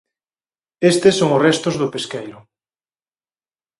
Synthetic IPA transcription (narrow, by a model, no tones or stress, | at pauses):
est̪esoŋʊsrɛst̪ʊzðʊpeskejɾʊ